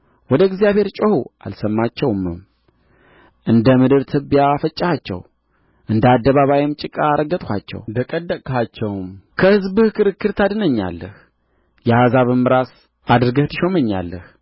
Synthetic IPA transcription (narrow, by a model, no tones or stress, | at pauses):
wɔd̪əɡzijaβhe̞ɾt͡ʃʼəhua̰lsəmːat͡ʃːɛwmɨm | ʔɨnd̪əmɨd̪ɨɾt̪ʰɨbijafət͡ʃʼːhat͡ʃːɛ̰w | ʔɨnd̪ad̪ːəβaβajɪmt͡ʃʼɪkʼaːɾəɡət̪ʼhʰʷat͡ʃːɛ̰wd̪əkʼəd̪ːəkʼhat͡ʃːɛwmkʰəhɨzbɨhkɨɾɨkːɨɾt̪ʰad̪ɨnəɲːa̰lːəh | jɛhazaβɨmːɨɾas | ʔad̪ɾɨɡəht̪ʰɨʃoməɲːa̰lːəh